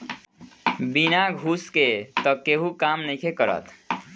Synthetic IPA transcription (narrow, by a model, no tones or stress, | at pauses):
binaɡʱusket̪ʌkeɦukamnəjkʰekʌɾʌ̰t̪